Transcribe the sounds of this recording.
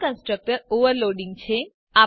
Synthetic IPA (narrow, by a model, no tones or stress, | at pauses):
kə̃nsʈɾək̚ʈəɾoʋəɾloɖiŋɡt͡ʃʰe | a